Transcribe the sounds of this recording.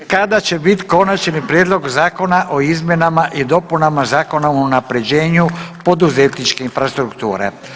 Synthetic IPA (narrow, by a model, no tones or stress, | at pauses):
kad̪at͡ʃe̞bit̪ko̞nat͡ʃnipɾjeːd̪lˠo̞ɡzaːko̞naʔo̞izmʲje̞namaʔid̪o̞punamazaːko̞naounapɾe̞d͡ʑe̞ːɲupo̞d̪uze̞t̪nit͡ʃkeinfɾast̪ɾukt̪ṵːɾḛ